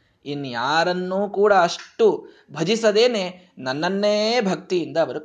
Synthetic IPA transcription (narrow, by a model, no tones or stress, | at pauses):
inːujaːɾɐnːuːkuːɽɐɐʂʈu | bʱɐd͡ʒisɐd̪e̞ːneː | nɐnːɐnːebʱɐk̚t̪ijind̪ɐːʋɐɾu